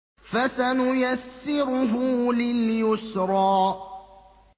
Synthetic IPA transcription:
fasanʊjasːɪɾʊɦʊːlɪljʊsɾˤɑː

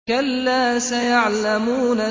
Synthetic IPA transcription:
kalːaːsajaʕlamuːna

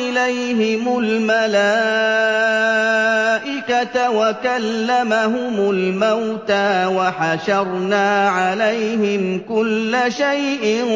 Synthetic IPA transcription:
ɪlajɦɪmʊlmalaː | ʔɪkat̪awakalːamaɦʊmʊlmawt̪aːwaħaʃɑɾˤnaːʕalajɦɪmkʊlːaʃajʔɪ

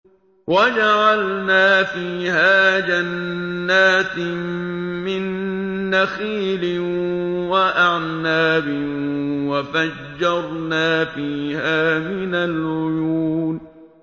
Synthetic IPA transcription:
wad͡ʒaʕalnaːfiːhaːd͡ʒanːaːt̪ | mɪnːaxiːlɪ | waʔaʕnaːbɪwafad͡ʒːɑɾˤnaːfiːhaːmɪnalʕʊjuːn

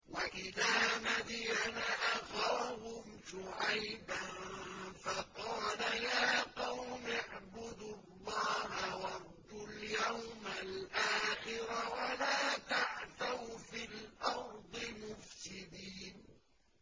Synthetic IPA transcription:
waʔɪðaːmad̪janaʔaxawahʊmʃʊʕajbanfɑqɑːlajaːqɑwmɪʕbʊd̪ʊlːɑːɦawɑɾˤd̪ːʊljawmalʔaːxɪɾawalaːt̪aʕt̪awfilʔɑɾd̪ˤɨmʊfsɪd̪iːn

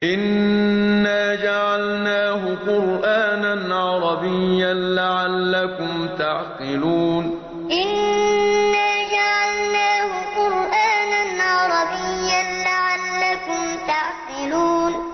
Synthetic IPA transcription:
ʔɪnː | aːd͡ʒaʕalnaːɦʊqʊɾʔaːnanʕɑɾˤɑbɪjːanlaʕalːakʊmt̪aʕqɨluːn | ʔɪnː | aːd͡ʒaʕalnaːhʊqʊɾʔaːnanʕɑɾˤɑbɪjːanlaʕalːakʊmt̪aʕqɪluːn

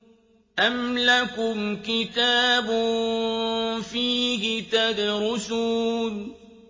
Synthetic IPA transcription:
ʔamlakʊmkɪt̪aːbʊ | fiːkɪt̪aːbɪɾʊsuːl

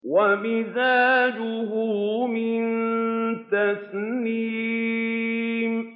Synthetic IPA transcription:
wamɪzaːd͡ʒʊhʊmɪnt̪asni | m

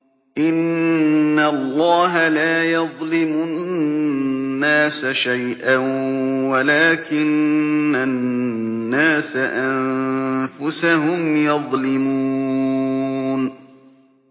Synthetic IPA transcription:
ʔɪnː | alˤːɑːɦalaːjɑðˤlɪmʊ | nːaːsaʃajʔanwalaːkɪnːaː | aːsaʔammfʊsaɦʊmjɑðˤlɪmuː | n

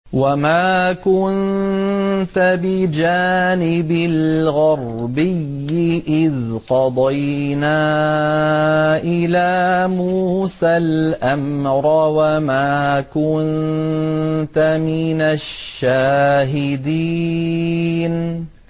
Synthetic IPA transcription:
wamaːkʊnn | t̪abɪd͡ʒaːnɪbɪlɣɑɾˤbɪjːɪʔɪðqɑd̪ˤɑjnaː | ʔɪlaːmuːsalʔamɾawamaːkʊn | t̪amɪnaʃːaːɦɪd̪iː | n

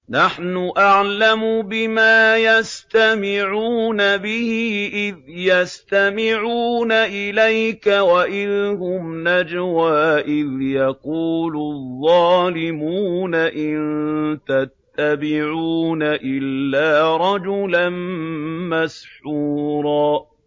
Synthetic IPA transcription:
naħnʊʔaʕlamʊbɪmaːjast̪amɪʕuːnabɪhɪʔɪðjast̪amɪʕuːnaʔɪlajkawaʔɪðɦʊmnad͡ʒwaːʔɪðjɑquːlʊðˤːɑːlɪmuːnaʔɪnnt̪at̪ːabɪʕuːnaʔɪlːaːɾˤɑd͡ʒʊlanmasħuːɾˤɑː

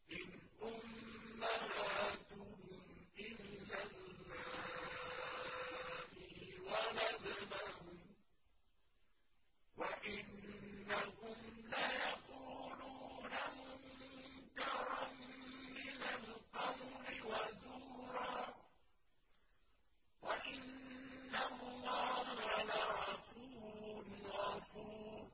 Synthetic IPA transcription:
ʔɪnʔʊmːahat̪ʊʊm | ʔɪlːalːaː | hɪwanazalahʊm | waʔɪnːaɦʊmlajaquːluːnamʊmʊkɑɾˤɑnmɪnalqamʊɾɪwazuːɾɑː | waʔɪnːalɑːhalaʕafuːnafuː

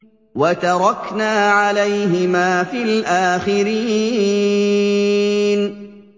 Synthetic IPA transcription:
wat̪ɑɾˤɑknaːʕalajɦɪmaːfiːlʔaːxɪɾiː | n

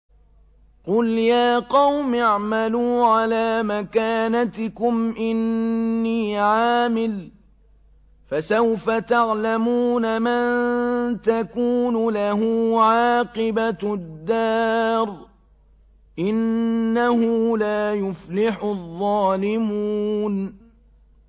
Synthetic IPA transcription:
qʊljaːqɑwmɪʕmaluːʕalaːmakaːnat̪ɪkʊmʔɪnːiːʕaːmɪl | fasawfat̪aʕlamuːnamant̪akuːnʊlaɦuːʕɑːqɨbad̪ːɑːɾˤ | ʔɪnːahʊlaːjʊflɪħʊðˤːɑːlɪmuːn

